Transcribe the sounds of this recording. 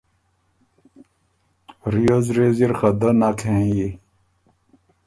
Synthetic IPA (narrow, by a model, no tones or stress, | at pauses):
ɾijozɾeziɾxɐd̪ɐnakʰẽji